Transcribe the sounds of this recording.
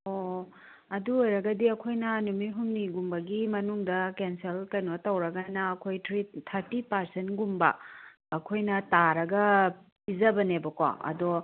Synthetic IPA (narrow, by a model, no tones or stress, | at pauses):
o | ɐduojɾɐɡɐdiɐkʰojnɐnumiɦumniɡumbɐɡimɐnuŋdɐkenselkɐjnotɐwɾɐɡɐnɐːkʰojtʰɾitʰɐɾtipɐɾsentɡumbɐ̰ː | kʰojnɐtaɾɐɡɐ | pizɐbɐnebɐkwa̰ɐ̰do